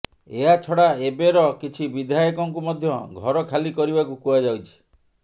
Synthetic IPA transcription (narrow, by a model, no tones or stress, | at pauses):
eɦat͡ʃʰɔɽaebeɾɔkit͡ʃʰibid̪ʱajɔkɔŋkumɔd̪ʱjɔɡʱɔɾɔkʰalikɔɾibakukuad͡ʒawt͡ʃʰi̥